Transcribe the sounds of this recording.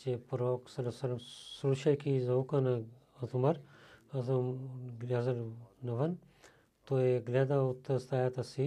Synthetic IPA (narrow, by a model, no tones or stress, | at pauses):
t͡ʃepɐɾoːksɐlɐsɐlɐmsuɾuʃɐkizɐukɐnɐ | ɐt̪umɐɾɐzmɡlaːzɐlnɐʋɐn | t̪oːeɡlʲeːd̪aut̪ːɐst̪aːjɐt̪ɐsi